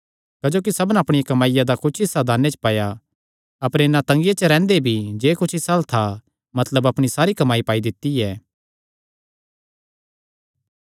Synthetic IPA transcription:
kɐd͡ʒoːk̬isɐbənɐpɽ̃ɪjakɐmaːɪjad̪akʊt͡ʃʰɪsːad̪ʱaːnːet͡ʃə̥paːja | ɐpəɾenat̪ɐ̃ŋɡjet͡ʃəɾɛ̃ːnd̪ebʱid͡ʒeːkʊt͡ʃʰɪsaːlt̪ʰa | mɐt̪ləbɐpɽ̃isaːɾikɐmaːipaːid̪ɪt̪ːiɛː

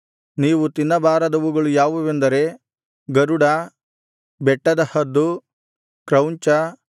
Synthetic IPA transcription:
niːʋut̪inːɐbaːɾɐd̪ɐʋuɡɐɭujaːʋuʋend̪ɐɾe̞ | ɡɐɾuɽɐ | bɛʈːɐd̪ɐhɐd̪ːu | kɾɐwɲt͡ʃɐ

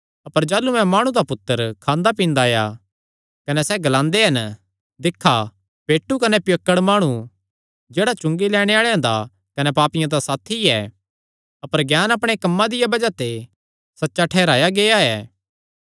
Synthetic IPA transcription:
ɐpəɾd͡ʒaːlumɛ̃maːɽ̃ũd̪apʊt̪ːəɾkʰãːnd̪apĩːnd̪aja̰ | kɐnɛsɛɡɐlãːnd̪eɦɐn | d̪ɪkʰːa | peːʈːukɐnɛpjəkːəɽmaːɽ̃ũ | d͡ʒeːɽat͡ʃʊ̃ŋɡilɛːɽ̃eaːɭeãd̪a̰ | kɐnɛpaːpɪjãd̪asaːt̪ʰːiɛː | ɐpəɾɡjaːnɐpɽ̃ekɐmːãd̪ɪjabɐd͡ʒat̪e | sɐtːʃaʈʰɛːɾaːjaɡeːaɛː

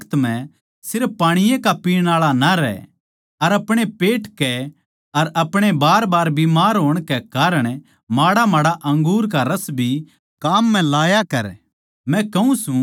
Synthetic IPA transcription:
t̪mɛ̃ | sɪɾfːaːɽ̃ɪjẽkapiːɽ̃aːɭanaɾɛ̰ | ɐɾɐpɽ̃epeːʈkɛ | ɐɾɐpɽ̃ebaːɾbaːɾbimaːɾɦoːɽ̃kɛkaːɾəɽ̃ | maːɽamaːɽaʔɐ̃ŋɡuːɾk̬aɾɐsbʱi | kaːmːɛ̃laːjakɐɾ | mɛ̃kɐũsũ

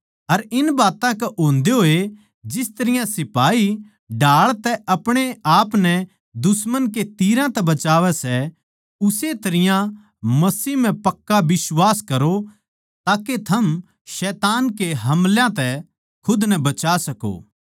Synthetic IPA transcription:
ɐɾɪnbaːt̪ãkɛʔoːnd̪eɦoːe | d͡ʒɪst̪ɐɾɪjãsɪpaːi | ɖaːɭt̪ɛʔɐpɽ̃eaːpnɛ | d̪ʊsmənket̪iːɾãt̪ɛbɐt͡ʃaːʋɛsɛ | ʊset̪ɐɾɪjã | mɐsiːɦm̤ɛ̃pɐkːabɪswaːskɐɾo | t̪aːket̪ʰɐm | ʃɛːt̪aːnkeɦɐmljãt̪ɛ | kʰʊd̪nɛbɐt͡ʃaːsɐko̰ː

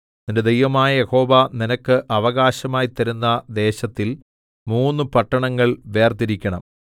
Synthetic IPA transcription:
ninded̪ejʋɐmaːjɐjeho̞ːʋɐninɐkːɨʔɐʋɐɣaːɕɐmaːjt̪ːɐɾunːɐd̪e̞ːɕɐt̪ːil | muːnːɨpɐʈːɐɳɐŋːɐɭʋe̞ːrt̪iɾikʲːɐɳɐm

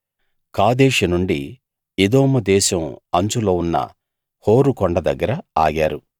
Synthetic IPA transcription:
kaːd̪eːʂɐnuɳɖi | id̪oːmɐd̪ɛːʃɐmɐɲt͡ʃulo̞ːunːɐ̰ | ho̞ːɾukɔɳɖɐd̪ɐɡːɐɾɐa̰ːɡaːɾu

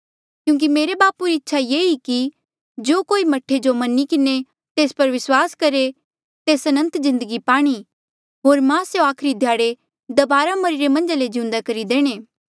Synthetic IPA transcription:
kjũːŋk̬imeːɾebaːpuɾiɪtːʃʰajeːiki | d͡ʒoːkoːimɐʈʰed͡ʒomɐnikɪne | t̪eːspɐɾʋɪswaːskɐɾe | t̪eːsɐnə̃nt̪zɪ̃nd̪əɡipaːɽ̃i | ɦoːɾmãseoaːkʰɾid̪ʱjaːɽe | d̪ɐbaːɾamɐɾɪɾemɐ̃nd͡ʒaled͡ʒɪ̃ũnd̪akɐɾid̪eːɽ̃eː

